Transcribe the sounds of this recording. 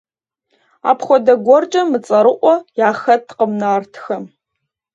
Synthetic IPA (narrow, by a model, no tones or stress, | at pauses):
a̰ːpχʷɔdɐɡʷɔrt͡ʃʼɐmɨt͡sʼɐɾɨʔʷɔjaːxɐtʰqəmnaːrtʰxɐm